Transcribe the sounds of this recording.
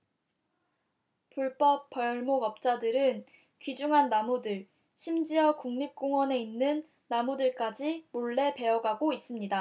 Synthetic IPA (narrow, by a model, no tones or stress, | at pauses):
puɭp͈ʌp̚p͈ʌɭmoɡʌp̚t͡ɕ͈adɯɾɯn | kɥid͡ʑuŋɦanːamudɯɭ | ɕʰimd͡ʑiʌkuŋɲip̚k͈oŋwʌne̞inːɯnː | amudɯɭk͈ad͡ʑimoɭːe̞pe̞ʌɡaɡois͈ɯmɲida